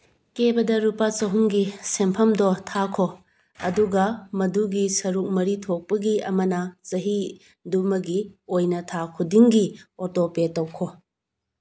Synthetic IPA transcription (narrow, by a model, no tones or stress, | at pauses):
kebɐdɐɾupat͡ʃɐɦuŋɡisempʰɐmdɔtʰakʰo | ɐ̰duɡɐmɐduɡisɐɾuk̚mɐɾitʰok̚pɐɡiɐ̰mɐnɐzɐɦi | dumɐɡiojnɐtʰakʰudiŋɡiotopetɐwkʰo